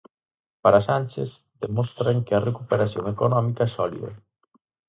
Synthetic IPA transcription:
paɾasanʲt͡ʃez | ðemɔst̪ɾaŋkeɐrekupeɾaθjoŋekonɔmikaɛsɔlḭðɐ̰

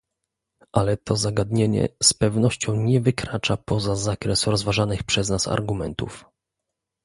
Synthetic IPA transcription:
ʔalɛt̪ʰɔzaɡad̪ɲeɲɛ̰spɛvnɔɕt͡ɕɔ̃w̃ɲɛvɘkɾat͡ʂapɔzazakɾɛsɾɔzvaʐanɘxpʂɛznasa̰ɾɡumɛnt̪ṵf

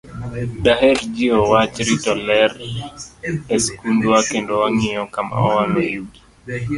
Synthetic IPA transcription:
daɦɛɾd͡ʒiɔwat͡ʃɾitɔlɛɾ | eskundwakendowaŋɪɔkama̰ɔ̰walojuɡi̥

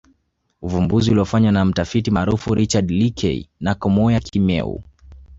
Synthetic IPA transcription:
uvumbuziuliɔfaɲwanam̩tafitimaːɾufuɾit͡ʃadlikʰɛ̰ḭnakɔmɔjakʰimɛ̰ṵ

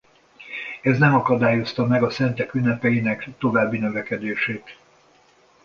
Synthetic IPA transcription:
ɛznɛmɒkɒd̪aːjo̞st̪ɒmɛɡɒsɛnt̪ɛkynːɛpɛjinɛkt̪o̞vaːbːinø̞vɛkɛd̪eːʃeːt̪

